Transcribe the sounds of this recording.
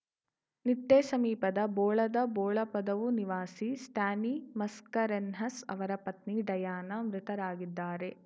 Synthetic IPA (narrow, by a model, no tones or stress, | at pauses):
nit̪ːeːsɐmiːpɐd̪ɐbɔːɭɐd̪ɐbɔːɭɐpɐd̪ɐʋuniʋaːsisʈaːnimɐskɐɾenɦɐsɐ̰ʋɐɾɐpɐt̪niɖɐjaːnɐmɾɪt̪ɐɾaːɡid̪ːaːɾe̞